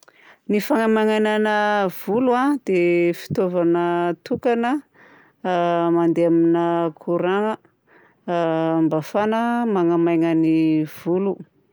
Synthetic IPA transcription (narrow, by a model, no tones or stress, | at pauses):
nifaŋamajŋananəv̥uluad̪̥efi̥t̪ovanət̪ukanə | mand̪eaminəkʰuɾaŋə | mbafanəmaŋamajŋəniv̥ulu